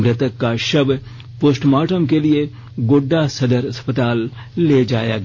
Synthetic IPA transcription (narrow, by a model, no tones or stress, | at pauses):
mɾɪt̪əkːaʃɐb | posʈmaːʈəmkelie | ɡoɖːasɐd̪əɾɐspət̪aːlː | eːd͡ʒaːja̰ːɡ